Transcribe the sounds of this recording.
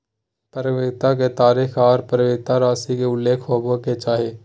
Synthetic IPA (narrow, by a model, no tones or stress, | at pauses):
pəɾʋeːɡ̚t̪ak̬et̪aːɾiːxʰaːɾpɾəʋeːɡ̚t̪aɾaːsikeʊlːeːkʰɦoːboket͡ʃaːɦeː